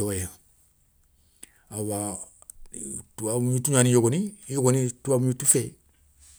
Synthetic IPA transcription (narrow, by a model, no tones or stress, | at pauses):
ɔjɛ | awa | tuaũɲutuɲãnĩjoɡonĩjoɡonĩtuamũɲutufɛ